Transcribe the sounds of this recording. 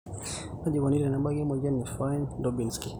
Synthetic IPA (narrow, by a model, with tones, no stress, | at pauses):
ma˦d͡ʒi˨kɔ˨ni˦ɾɛ˨na˨ba˦ɡi˦mɔ˨d͡ʒa˦nifajndɔbi˨nski˨